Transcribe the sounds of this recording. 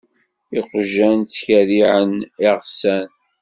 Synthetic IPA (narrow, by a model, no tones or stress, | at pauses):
iqʒænt̪çæðiʕənɪʁsæn